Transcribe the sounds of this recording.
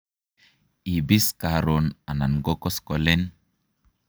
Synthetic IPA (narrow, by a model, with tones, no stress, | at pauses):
ibi˦skaɾona˨na˨nɡɔ˦kɔ˦skɔlɛ˦n